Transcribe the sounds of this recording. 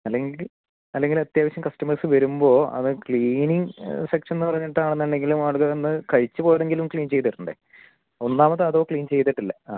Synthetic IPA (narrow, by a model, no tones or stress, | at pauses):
ɐlːeŋɡil | ɐlːe̞ŋɡilɐt̪jaːʋɐɕjɐmkɐstɐmɐrsɨʋɐɾumbo̞ːɐ̰ðɨkɭiːniŋsekʂɐnenːɨpɐrɐɲːiʈːaːɳenːɐɳɖe̞ŋɡilumaːɭuɣɐonːɨkɐɻit͡ɕːɨpo̞ːjɐðe̞ŋɡilumkɭiːnt͡ɕe̞jt̪ːʋɐɾunɖḛ | o̞nːaːmɐt̪ːɨɐðo̞ːkɭiːnt͡ɕe̞jt̪ːiʈːilːɐ